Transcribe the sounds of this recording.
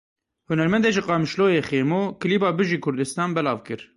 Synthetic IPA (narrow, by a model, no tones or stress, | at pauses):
hunɛɾmɛnd̪eʒɨqɑːmɨʃloːjeːxeːɾmoːkɨliːbɑːbɨʒiːkʰʊɾd̪ɨst̪ɑːnbɛlɑːvkɨɾ